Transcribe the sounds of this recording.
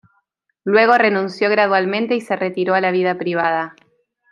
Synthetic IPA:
lwe̞ɣ̞o̞re̞nũnsjo̞ɣ̞ɾaðwalmẽnt̪e̞ise̞ret̪iɾo̞alaβið̞apɾiβ̞að̞a

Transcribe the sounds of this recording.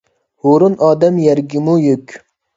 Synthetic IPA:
hoɾunʔɑːd̪ɛmjɛɾɡʲimujøkʲ

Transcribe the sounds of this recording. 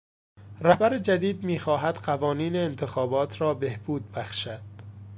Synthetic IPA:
ræhbæɾed͡ʒæd̪iːd̪̚miːxɒːɦæd̪̥ɢævɒːniːneːnt̪ʰexɒːbɒːt̪ʰɾɒːbe̞hb̥uːd̪̚bæxʃæd̪̥

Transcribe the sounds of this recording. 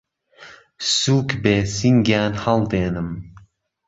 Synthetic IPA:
suːkbeːsiŋɡaːnhɐlˠd̪eːnɨm

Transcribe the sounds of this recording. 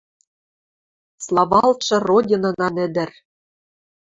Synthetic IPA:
slˠɑvɑlt̪ʃɤ̆rodʲinɤ̆nɑnɘ̆d̪ɘ̆r

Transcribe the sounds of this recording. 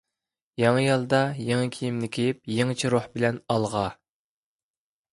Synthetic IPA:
jɑŋəjɑlˠd̪ɑjeŋɨkʲʰijimnɪkʲʰejip̚jeŋt͡ʃʰiɾohbɪlɛnɑlˠʁɑ

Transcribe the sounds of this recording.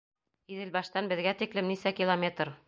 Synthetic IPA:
iðɘ̆lbɑʃt̪ɑnbɘ̆ðɡæt̪iklɘmnisækʲilˠomʲet̪r

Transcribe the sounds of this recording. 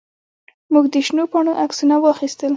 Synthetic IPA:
muɡd̪əʃnopɑɳ̃oʔaksunawəaxist̪əl

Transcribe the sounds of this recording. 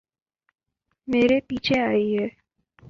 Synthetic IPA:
meːɾepiːt͡ʃʰeaːiɦɛː

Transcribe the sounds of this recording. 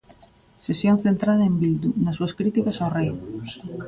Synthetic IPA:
sesjon̟θent̪ɾaðaembild̪unasuaskɾit̪ikasawrej

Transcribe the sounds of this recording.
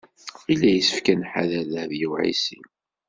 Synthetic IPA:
ilːæjəsə̥fkænħa̰ðælæðjiwʕḭsḭm

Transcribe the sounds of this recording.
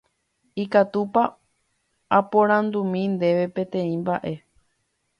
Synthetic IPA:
ikat̪upa | apõɾ̃ãnd̪umĩnd̪e̞ʋe̞pẽ̞t̪ẽ̞ĩmbaʔe̞

